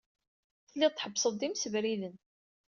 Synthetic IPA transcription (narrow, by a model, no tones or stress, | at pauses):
θəlːiðˤt̪ħəbːsˤəðˤd̪imsəvɾiðən